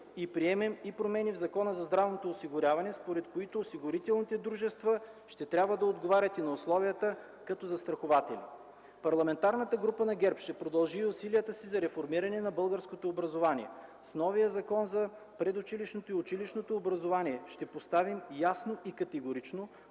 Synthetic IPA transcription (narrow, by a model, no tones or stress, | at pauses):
ipɾiɛmɛmipɾomɛnivzɐkɔnəzɐzd̪ɾavnot̪oːsiɡʊɾʲavɐnɛspoɾɛt̪koit̪oːsiɡʊɾit̪ɛlˠnit̪ɛd̪ɾuʒɛst̪və | ʃt̪ɛt̪ɾʲabvəd̪ɐod̪ɡovaɾʲət̪inɐoslˠɔvijət̪ə | kɐt̪ɔzɐst̪ɾɐxovat̪ɛlḭ | pɐɾlˠɐmɛnt̪aɾnət̪əɡɾupənɐɡʲɛɾpʃt̪ɛpɾod̪ɐlˠʒiʊsiliət̪əsizɐɾɛfoɾmiɾɐnɛnɐbɤlˠɡəɾskot̪oːbɾɐzovanḭɛ̰snɔvijəzɐkɔnzɐ | pɾɛd̪ʊt͡ʃiliʃnot̪oiʊt͡ʃiliʃnot̪oːbɾɐzovaniɛʃt̪ɛpost̪avimjasnoikɐt̪ɛɡoɾit͡ʃno